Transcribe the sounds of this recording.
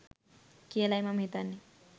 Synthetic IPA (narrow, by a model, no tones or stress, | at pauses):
kelajmam̤ʱit̪anːi